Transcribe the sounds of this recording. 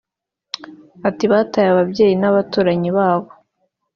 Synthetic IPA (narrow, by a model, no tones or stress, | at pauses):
atiβaːtajaβabɟe̞ːjinaβatuːɾaɲiβaːβo